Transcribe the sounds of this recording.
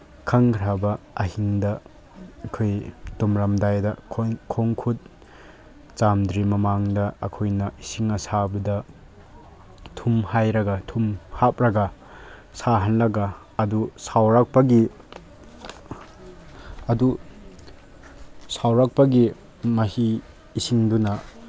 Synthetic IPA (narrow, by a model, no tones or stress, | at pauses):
kʰɐŋʰɾabɐ | ɐɦiŋdɐ | kʰojtumɾɐmdajdɐkʰkʰoŋkʰut̚ | t͡ʃamdɾimɐmaŋdɐɐ̰kʰojnɐisiŋɐsabɐdɐ | tʰumhajɾɐɡɐtʰumhap̚ɾɐɡɐ | saɦanlɐɡɐː | dusawɾak̚pɐɡi | ɐdu | sawɾak̚pɐɡi | mɐhiː | siŋdunɐ